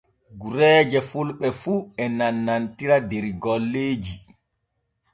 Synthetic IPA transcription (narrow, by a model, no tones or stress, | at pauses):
ɡuɾɛːd͡ʒɛfulɓɛfuːɛnanːantiɾadɛɾiɡɔlːeːd͡ʒi